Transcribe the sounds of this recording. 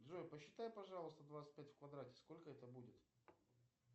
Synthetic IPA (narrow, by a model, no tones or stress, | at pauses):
d̪ʐojpəɕːɪt̪ajpɐʐɑlˠəst̪əd̪vat̪sɨt̚ʲpʲætʲfkvɐd̪ɾatʲɪ̥sko̞lʲkəɛt̪əbudʲɪt̪